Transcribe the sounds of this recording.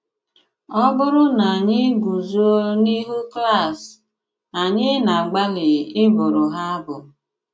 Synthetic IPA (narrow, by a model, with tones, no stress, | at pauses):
ɔ˦bʊ˦ɾʊ˦na˨a˨ɲɪ˦ɡu˨zo˦ni˦ɦu˦kla˦˨s | a˨ɲɪ˦na˨a˨ɡ͡ba˦lɪ˨ɪ˦bʊ˨ɾʊ˨ɦa˦a˦bʊ˨